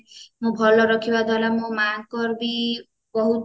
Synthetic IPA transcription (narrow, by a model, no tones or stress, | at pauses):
mõbʱɔlɔɾɔkʰibad̪ɔlamõmaɡkɔɾbi | bɔɦut̪